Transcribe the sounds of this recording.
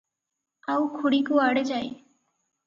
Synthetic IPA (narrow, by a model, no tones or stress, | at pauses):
aukʰuɽikuaːɽed͡ʒaːi